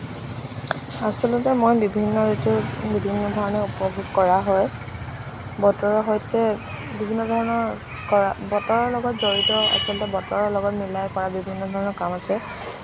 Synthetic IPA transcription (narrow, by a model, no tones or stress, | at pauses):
asɔlɔtɛmojbibʱinːɔzetubibʱinːɔdʱɔɹɔnɛupɔbʱuɡkɔɹaɦɔj | bɔtɔɹɔɦɔjtɛ | bibʱinːɔdʱɔɹɔnɔɹ | kɔabɔtɔɹɔɹlɔɡɔtzoɹitɔa̰sɔltɛbɔtɔɹɔɹlɔɡɔtmilajkɔɹabibʱinːɔdʱɔɹɔnɔɹkamasɛ